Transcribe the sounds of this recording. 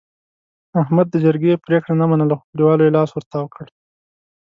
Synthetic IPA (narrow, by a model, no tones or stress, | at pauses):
ahmad̪ːəd͡ʒəɾɡepɾekɽanamanəlaxo̥kliwɑlojelɑswəɾt̪awəkʰəɽ